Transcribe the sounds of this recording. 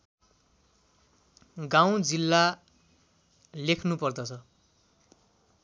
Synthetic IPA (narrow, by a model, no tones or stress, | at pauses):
ɡaw̃d͡zilːa | lekʰnupʌrd̪ʌt͡sʰʌ